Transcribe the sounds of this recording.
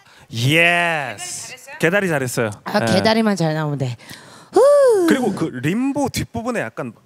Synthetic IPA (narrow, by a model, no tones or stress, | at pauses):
jeske̞daɾit͡ɕaɾɦes͈ʌjoake̞daɾimant͡ɕaɭnaonde̞ɯkɯɾiɡokɯɾimbotip͈ubune̞ja̰k͈̚an